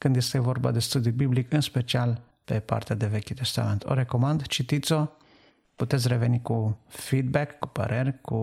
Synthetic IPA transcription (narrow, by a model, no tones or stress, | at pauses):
kɨnd̪je̞st̪e̞vo̞rba̰d̪e̞st̪ud̪iubiblikɨnspe̞t͡ʃial | pe̞pa̰rt̪ead̪e̞ve̞kʲut̪e̞st̪ament̪ʰo̞̰ɾe̞ko̞mand̪t͡ʃit̪it̪so̞ | put̪et̪sʲre̞ve̞nikufid̪̚bekːupə̰ɾe̞rʲku